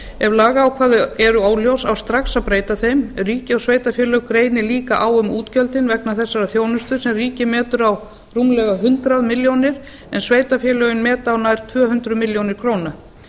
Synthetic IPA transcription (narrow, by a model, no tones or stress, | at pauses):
ɛvlaːɣaːwkʰvaːðʏɛɾʏaːwljowsawst̪ɾaksawpɾeːjt̪aθejmriːcɪɔwsveːjt̪afjɛlœɣkɾeːjnɪliːkaʔaːwʏmuːt̪cœlt̪ɪnvɛknaθɛsːaɾaθjoːwnʏst̪ʏsɛmriːcɪmɛːt̪ʏɾaw | rumlɛɣaɦʏnt̪ɾaðmɪljownɪɾ̥ | ɛnsveːjt̪afjɛlœːɣʏnmɛːt̪awnajɾ̥t̪ʰvœːɦʏnt̪ɾʏmɪljownɪɾ̥kʰɾoːwna